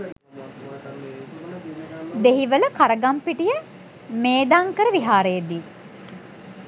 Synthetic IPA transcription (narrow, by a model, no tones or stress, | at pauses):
d̪eɦiʋələkaɾəɡampiʈijə | meːd̪aːŋkəɾəʋiɦaːɾejəd̪i